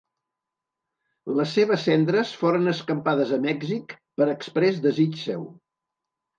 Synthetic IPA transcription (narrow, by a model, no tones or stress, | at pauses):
ləsːeβ̞əsːɛnd̪ɾəsfoɾənəskəmpaðəzəmɛɡzik | pəɾəkspɾɛzd̪əzit͡ʃsɛ̰w